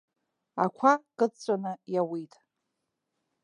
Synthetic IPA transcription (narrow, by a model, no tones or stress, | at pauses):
a̰kʷʰakʼɨt͡st͡sʷʼanɨjawitʼ